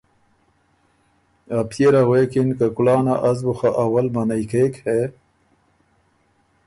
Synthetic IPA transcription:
ap̚t̪eɾawekinkakulɑːnaʔazbuxaʔawalmanajkekhe

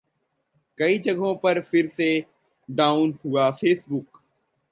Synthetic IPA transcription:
kɐiːd͡ʒəɡʱɦõpɐɾfɪɾse | ɖaːʊnɦʊaːfeːsbʊk

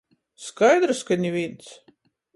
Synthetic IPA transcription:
skajd̪ɾɨskanʲivʲint̪s

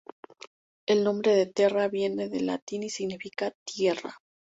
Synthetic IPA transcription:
e̞lnõ̞mbɾe̞ðe̞t̪e̞raβje̞ne̞ðe̞la̰t̪inisiɣnifikat̪je̞ra̰

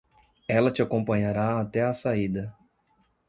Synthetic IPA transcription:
ɛlɐt͡ʃɪakõmpɐ̃ɲaɾaːt̪ɛɐsaid̪ɐ

